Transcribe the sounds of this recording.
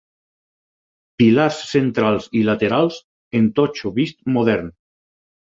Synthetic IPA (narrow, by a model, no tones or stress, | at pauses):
pilaɾsːent̪ɾalˠzilat̪eɾalˠs | ent̪ɔt͡ʃoβist̪moðɛɾn